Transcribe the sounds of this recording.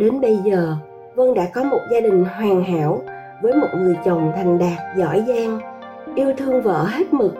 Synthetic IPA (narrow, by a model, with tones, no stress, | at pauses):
ɗe˨˦nɓə˧jzəː˨˩ | və˧nɗa̰ː˧˥kɔ˨˦mo˨˩t̚zaː˧ɗï˨˩ŋ̟ɦwaː˨˩ŋɦa̰ː˧˥w | vəː˨˦jmo˨˩t̚ŋɨ˨˩əjt͡ɕə˨˩wŋ͡mt̪ʰa˨˩ŋ̟ɗaː˨˩k̚zɔ̰˧˥jzaː˧ŋ | ʔi˧əwt̪ʰɨ˧əŋvə̰ː˧˥˨ɦe˦˥t̚mɨ˨˩k̚